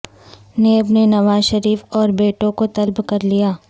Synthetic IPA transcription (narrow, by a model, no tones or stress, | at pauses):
neːbnenɐʋaːzʃɐɾiːfɔːɾbeːʈõkot̪ɐlbkɐɾlijaː